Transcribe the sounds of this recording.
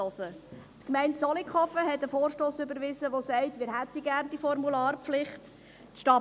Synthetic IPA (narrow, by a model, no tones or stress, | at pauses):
ɔsə | tkmɛɪntsɔlikχɔfəɦɛtəfoːɾʃtoːsʏbəɾʋɪzəʋosɛɪtmɪːɾɦæt̪iɡæːɾnd̪ifɔrmulɑːrpflɪχt | ʃtɑ